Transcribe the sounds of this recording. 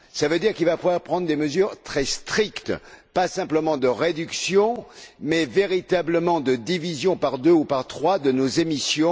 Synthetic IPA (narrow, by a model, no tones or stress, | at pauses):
savød̪iʁkilvapuvwaʁpχɑ̃d̪ʁd̪eməzyːʁt̪χɛst̪χikt̪pasɛ̃pləmɑ̃d̪əʁed̪yksjɔ̃mɛveʁit̪abləmɑ̃d̪əd̪ivizjɔ̃paʁd̪øupaʁt̪χwad̪ənozemisjɔ̃